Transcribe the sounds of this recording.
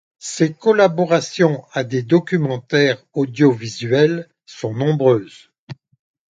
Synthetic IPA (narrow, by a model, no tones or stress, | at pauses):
sekɔlabɔʁasjɔ̃ad̪ed̪ɔkʲymɑ̃t̪ɛʁ | ɔd̪jɔvizɥɛl | sɔ̃nɔ̃bʁøːz̥